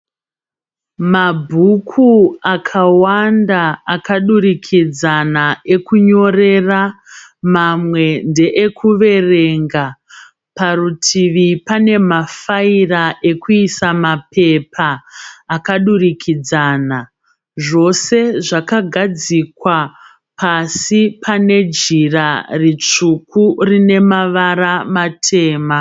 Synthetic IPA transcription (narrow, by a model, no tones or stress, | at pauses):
mabʱukʰuakʰawandaːkaɗuɾikʰid͡zanae̞kuɲo̞re̞ra | mamwe̞nde̞ʔekʰuʋe̞re̞ŋɡa | parutʰiʋipane̞mafairaʔe̞kuisamape̞pʰaː | kaɗurikʰid͡zaːna | ʐo̞se̞ʐakaɡʱad͡zikwa | pasipʰane̞d͡ʒirarit͡ʂukurine̞maʋaramatʰe̞ːma